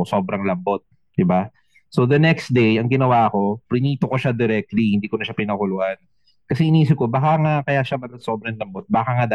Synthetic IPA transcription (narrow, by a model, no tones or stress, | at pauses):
so̞ːbɾɐŋlɐmbo̞t̪̚ | d̪̥ɪba | sod̪ɐnɛksd̪ejɐŋɡɪnɐwaʔɐko̞pɾɪniːt̪okoʃad̪ɛɾɛk̚t̪lihɪnd̪iːkonɐʃapɪnɐkʊlʊʔan | kɐsɛʔɪniːs̬ɪp̚ko̞baːkaŋakɐjaʃamɐlɐso̞ːbɾɐnlɐmbot̪̚baːkaŋad̪a